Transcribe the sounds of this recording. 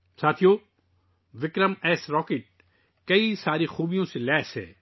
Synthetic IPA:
saːt̪ʰijoː | ʋɪkɾəmɛːsɾɔːkeʈ̚ | kɐisaːɾixuːbijõselɛːsɦɛ̰ː

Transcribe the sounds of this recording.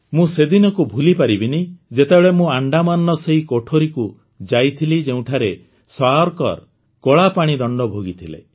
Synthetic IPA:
mũsed̪inɔkubʱulipaɾibinid͡ʒet̪ebeɭemũaɳɖamanːɔseikoʈʰoɾiku | d͡ʒajt̪ʰilid͡ʒeũʈʰaɾe | swaɔɾkɔ̰ɾ | kɔɭapaɽ̃id̪ɔɳɖɔbʱoɡit̪ʰilḛ

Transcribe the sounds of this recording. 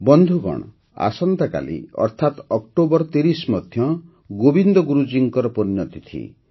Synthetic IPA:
bɔnd̪ʱuɡɔ̰ɽ̃ɔ | a̰sɔnt̪aka̰lḭɔ̰ɾt̪ʰat̪ɔk̚ʈobɔɾt̪eɾismɔd̪ʱjɔ | ɡobind̪ɔɡuɾud͡ʒiŋkɔɾɔpɔɾinɔt̪it̪ʰḭ

